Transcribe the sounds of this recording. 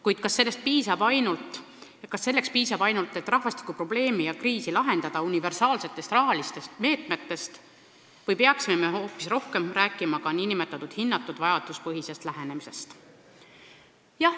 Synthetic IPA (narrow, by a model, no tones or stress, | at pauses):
kujd̪̥̚kɑsːe̞lːest̪̚piːsɑbɑjnult̪ˑ | jɑkɑsːe̞lːe̞kspiːsɑbɑjnult̪ˑːe̞t̪ːˑrɑhvɑst̪i̥kːˑupro̞ble̞ːmijɑkriːsilɑɦe̞nd̪̥ɑd̪̥ɑunive̞rsɑːlse̞t̪ːˑe̞st̪rɑɦɑlist̪e̞st̪me̞ːt̪ˑme̞t̪ːe̞st̪ | vɤjpe̞ɑksime̞me̞ho̞ːpːˑisro̞hke̞mræːkːˑimɑkɑninime̞t̪ːˑɑt̪ːˑud̪̥hinːɑt̪ːˑud̪̥vɑjɑd̪̥uspɤɦise̞st̪læɦe̞ne̞mise̞st̪ | jɑh